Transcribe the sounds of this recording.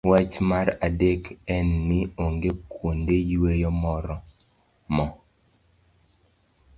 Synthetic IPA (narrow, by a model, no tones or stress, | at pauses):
wat͡ʃmaɾadekɛnːɪoŋɡekwondejwejɔmɔɾɔ | mɔ